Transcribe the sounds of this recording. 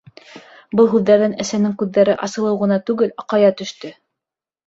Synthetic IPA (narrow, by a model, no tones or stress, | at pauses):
bɤlˠɦʉðːæɾðænæsænɘŋkʉðːæɾɘʔɑsɤ̆lˠɤ̆wʁɤ̆nɑt̪ʉɡɘlɑqɑjɑt̪ɵ̆ʃt̪ɵ